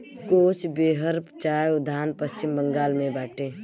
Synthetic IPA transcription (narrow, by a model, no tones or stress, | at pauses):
koːt͡ʃbeːɦəɾpt͡ʃaːjʊd̪ʱaːnpəst͡ʃɪmbəŋɡaːlmẽbaːʈʰeː